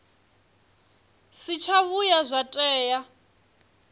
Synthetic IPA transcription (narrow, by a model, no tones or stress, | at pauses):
sit͡ʃʰaβujazʷatʼɛːja